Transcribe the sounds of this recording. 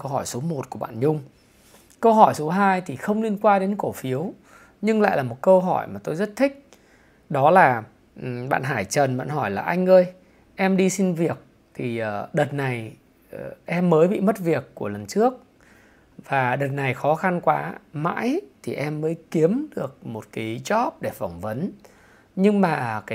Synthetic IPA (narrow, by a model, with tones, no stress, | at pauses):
kə˧whɔ˧˩jso˨˦mo˨˩t̚ku˧˩əɓa̰ː˧˨nɲʊ˧ŋ͡m | kə˧wɦɔ˧˩jso˨˦ɦaː˧jt̪ʰi˨˩xə˧wŋ͡mli˧ənkwaː˧ɗe˨˦nko˧˩fi˨˦əw | ɲɨ˧ŋla̰ː˧˨jlaː˨˩mo˨˩t̚kə˧wɦɔ˧˩jmaː˨˩t̪o˧jzə˦˥t̚t̪ʰï˦˥k̟̚ | ɗɔ˨˦laː˨˩˨ | ɓa̰ː˧˨nɦaː˧˩jt͡ɕə˨˩nvə̰˧˥nɦɔ˧˩jlaː˨˩ʔa˧jŋ̟ʔəː˧j | ʔɛ˧mɗi˧si˧nvi˨˩ək̚ | t̪ʰi˨˩ʔəː˨˩ɗəː˨˩t̚na˨˩j | ʔɛ˧mːəː˨˦jɓḭ˧˨mə˦˥t̚vi˨˩əkːu˧˩ələ˨˩nt͡ɕɨ˦˥ək̚ | vaː˨˩ɗəː˨˩t̚na˨˩jxɔ˨˦xa˧nkwaː˨˦ma̰ː˧˥jt̪ʰi˨˩ʔɛ˧mːəː˨˦jki˨˦əmɗɨ˨˩ək̚mo˨˩t̚ka˨˦t͡ɕɔ˦˥p̚ɗe˧˩fɔ˧˩wŋ͡mvə˨˦n | ɲɨ˧ŋmaː˨˩kaː˨˦